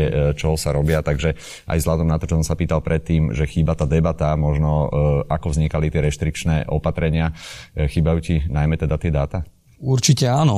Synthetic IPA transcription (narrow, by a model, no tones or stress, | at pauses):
t͡ʃɔɦɔsaɾɔbɪat̪aɡʒɛ | ʔa̰jzɦlad̪ɔmnat̪ɔt͡ʃɔsɔmsapiːt̪alˠpɾʔɛt̪ːiːmʒɛxiːbat̪aːd̪ɛbat̪amɔʒnɔakɔvzɲikalit̪ɪɛɾɛʃt̪ɾik̚t͡ʃnɛʔɔpat̪ɾɛɲɪaxiːbajuːcinajmɛt̪ɛd̪at̪ɪɛd̪aːt̪a | uɾt͡ʃicɛaːnɔ